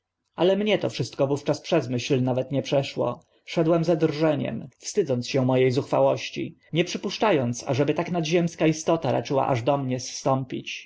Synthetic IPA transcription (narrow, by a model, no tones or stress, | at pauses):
alɛmɲɛt̪ɔfʂɘst̪̚kɔvuft͡ʂaspʂɛzmɘɕlnavɛt̪ɲɛpʂɛʂwɔ̰ | ʂɛd̪wɛmzad̪rʐɛɲɛ̰mfst̪ɘd̪zɔnt̪sɕɛ̃mɔjejzuxfawɔɕt͡ɕḭ | ɲɛpʂɘpuʂt͡ʂajɔnt̪sa̰ʐɛbɘt̪aknad̪ʑɛmskaist̪ɔt̪aɾa̰t͡ʂɘwa̰ʔaʐd̪ɔmɲɛst̪ɔmpʲit͡ɕ